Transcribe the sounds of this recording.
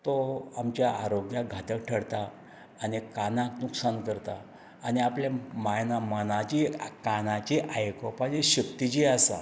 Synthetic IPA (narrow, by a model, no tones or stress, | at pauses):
t̪oamt͡ɕjaʔaɾoɡjaɡʱat̪ək̚ʈʰəɽt̪aː | nikanãknuksankəɾt̪a̰ː | niapljamajnamənat͡ɕikanat͡ɕiʔajkɔpat͡ɕeɕəkt̪it͡ɕiːasa̰